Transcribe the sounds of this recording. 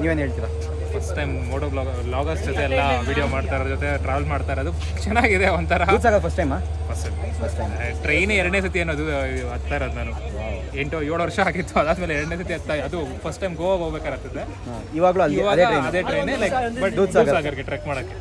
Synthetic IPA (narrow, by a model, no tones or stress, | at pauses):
niʋeːnɦeːɭt̪iːɾa | pʰɐsʈʈːɐjmmoːʈolɔɡ | lɔːɡɐsʈd͡ʒot̪ɛɛlːɐʋiːɽijomaːɖt̪aːɾoːd͡ʒot̪eʈɾaːʋɐlmaːɽt̪aːɾɐd̪u | t͡ʃɛnːaːɡid̪eʋɐnt̪ɐɾɐd̪uːd̪saːɡɐd̪pʰɐsʈɐjmaː | pʰɐsʈɐɐsʈʈɾejneɛɾɐɽneːsɐt̪ieːnːoːd̪uɐt̪t̪ːaːjɾoːd̪unaːnueɳʈojoːɭʋɐɾʂɐaːkit̪ːuɐd̪aːd̪meːleɛɾɐɽnesɐt̪iɐt̪t̪ːajɐd̪upʰɐsʈːɐjmɡoʋoɦoːɡbeːkad̪ɾeɐt̪ːɐd̪ːe | o | iːʋaːɡɐɭuɐliʋaːɐd̪eenɐd̪eʈɾejnelɐjkbɐd̪uːsauːɡsaːɡɐɾɡeʈɾekmaːɽokːe